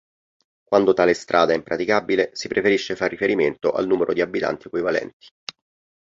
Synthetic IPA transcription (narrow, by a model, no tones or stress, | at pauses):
kwand̪ot̪aːlest̪ɾʔaːd̪aɛimpɾʔat̪ikabilesipɾefeɾiʃːefarːifeɾiment̪oʔa̰lnuːmeɾʔod̪iabːit̪a̰nt̪ikuivalɛ̰nt̪i̥